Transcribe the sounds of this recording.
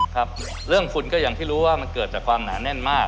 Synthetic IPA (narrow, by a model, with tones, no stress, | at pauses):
kʰa˦˥p̚ | ɾɯ˥˩əŋfʰu˧nkɔː˥˩ja˧ŋt̪ʰiː˥˩ɾuː˦˥waː˥˩ma˧nkɤː˨˩t̪̚t͡ɕaː˨˩kʰwaː˧mna̰ː˩˦nɛ˥˩nmaː˥˩k̚